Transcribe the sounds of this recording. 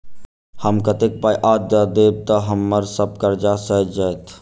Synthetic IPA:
həmkət̪ek̚pajʔaːd̪əd̪eːb̚t̪əɦəmːəɾsəb̚kəɾd͡ʒasəɦd͡ʒət̪ʰ

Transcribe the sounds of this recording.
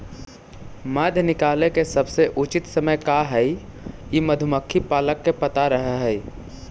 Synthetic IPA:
maːd̪ʱjnɪkaːlekesɐbseʔʊt͡ʃɪt̪səməjkaɦɛ | jiməd̪ʱʊməkʰːipaːləkːepɐt̪aɾəɦaɦɛ

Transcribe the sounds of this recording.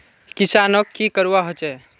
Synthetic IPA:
kisanɔkːikəɾuwaɦot͡ʃɛ

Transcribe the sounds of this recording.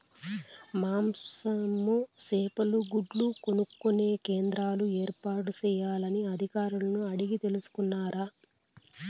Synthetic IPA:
maːmsɐmːuseːpɐluɡuɖluko̞nukːune̞ːkeːnd̪ɾaːlue̞ːɾpaːʈut͡ʃɛːjaːlɐniɐd̪ʱikaːɾulɐnuɐɽiɡit̪e̞lusu̥kunːaːɾaː

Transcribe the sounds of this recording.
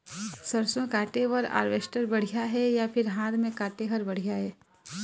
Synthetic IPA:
səɾsõkaːʈeʋəɾa̰ːɾʋeːsʈəɾbɐɽ̤ijaɦɛjapʰɪɾɦãːd̪mẽkaːʈeɦəɾbɐɽ̤ijaɦɛː

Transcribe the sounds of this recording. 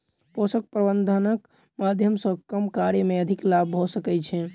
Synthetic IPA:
posək̚pɾəbənd̪ʱənək | mad̪ʱjəmsə̃kəmkaɾjəmeəd̪ʱiklabɦosəkɛt͡ʃʰɛ

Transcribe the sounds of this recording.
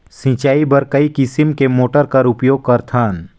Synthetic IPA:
sĩːt͡ʃaːibɐɾkɐikɪsɪmkemoːʈəɾkɐɾʊpjoːɡ̚kɐɾt̪ʰaːn

